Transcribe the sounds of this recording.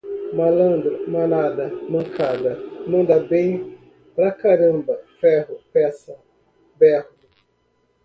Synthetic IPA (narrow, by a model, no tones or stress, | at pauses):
malɐ̃nd̪ɾʊmanad̪ɐmɐ̃ŋkʰad̪ɐmɐ̃nd̪abẽj̃ | pɾakaɾə̃mbɐfɛɦʊpɛsɐ | bɛh